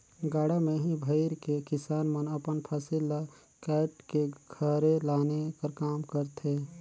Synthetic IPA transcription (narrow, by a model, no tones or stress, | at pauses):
ɡaːɽameɦĩbʱəɪɾkekisaːnmənəpənpʰəsilːa | kɛʈkeɡʱəɾelanekəɾkaːmkəɾt̪ʰe